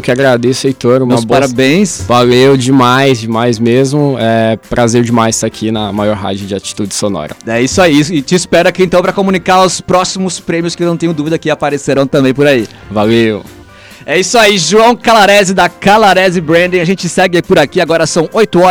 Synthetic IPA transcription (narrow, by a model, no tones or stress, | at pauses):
wkɪaɡɾad̪esʊejt̪oɾũmmɐsbpaɾabẽj̃svalewd͡ʒɪmajzd͡ʒɪmajzmezmʊɛpɾʔazeɾd͡ʒɪmajzst̪akʰinɐmajɔɾɦa̰d͡ʒʊd͡ʒɪat͡ʃi̥t̪ud͡ʒɪsonɔ̰ɾɐ̰ɛisʊaisɪt͡ʃɪɪspɛɾʊakiẽnt̪ɐ̃w̃pɾɐkomũnikaɾʊspɾɔsimʊspɾẽmiʊskɪnɐ̃w̃t̪ẽɲ̃ʊ̃d̪uvid̪ɐkɪapaɾeseɾɐ̃w̃t̪ɐ̃mbẽj̃pʊɾai | valew | ɛisʊaiʒuɐ̃w̃kalaɾɛzɪd̪ɐkalaɾɛzɪbɾẽnd̪ĩaʒẽt͡ʃɪsɛɡɪaipʊɾakiaɡɔɾɐsɐ̃w̃ojt̪ʊɔ